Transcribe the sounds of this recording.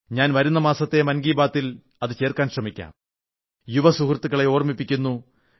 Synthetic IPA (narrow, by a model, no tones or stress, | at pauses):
ɲaːnʋɐɾunːɐmaːsɐt̪ːe̞mɐnɡiːbaːt̪ːil | ɐðɨt͡ɕe̞ːrkaːnɕrɐmikʲːa̰ːm | juʋɐsukrt̪ːuɣɐɭe̞oːrmipːikʲːunːu